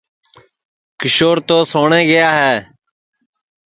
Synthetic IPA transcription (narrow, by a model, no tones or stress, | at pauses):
kɪʃoːɾt̪oːsoːɳeːɡəjaːɦɛː